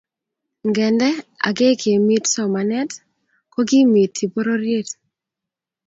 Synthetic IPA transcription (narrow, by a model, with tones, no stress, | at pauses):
ŋɡɛ˨ndɛ˦a̰˨ɡe˦kʰe˨mi˦tsɔ˨ma˨nɛ˦t | kɔ˦ɡɪ˦mi˨tʰːi˨po˦ɾo˦ɾje˦t